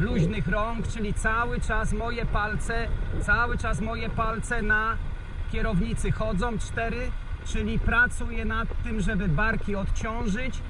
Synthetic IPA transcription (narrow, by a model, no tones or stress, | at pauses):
luʑnɘxɾɔŋkt͡ʂɘlʲit̪sawɘt͡ʂasmɔjɛpalt̪sɛt̪sawɘt͡ʂasmɔjɛpalt̪sɛna | kʲɛɾɔvɲit̪sɘxɔd̪zɔ̃w̃t͡ʂt̪ɛɾɘt͡ʂɘlʲipɾat̪sujɛnat̪ːɘmʐɛbɘbaɾkʲiɔt̪t͡ɕɔ̃w̃ʐɘt͡ɕ